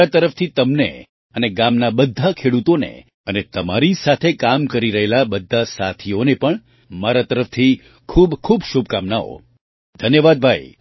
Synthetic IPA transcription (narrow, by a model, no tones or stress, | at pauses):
at̪əɾəft̪ʰit̪əmnḛ | əneɡamnabəd̪ʱːakʰeɽut̪onḛ | ənet̪əmaɾisat̪ʰekamkəɾiɾəɦelabəd̪ʱːasat̪ʰionepəɳ | maɾat̪əɾəft̪ʰi | kʰubkʰubʃub̚kamnao̰ | d̪ʱənjəʋad̪̚bʱai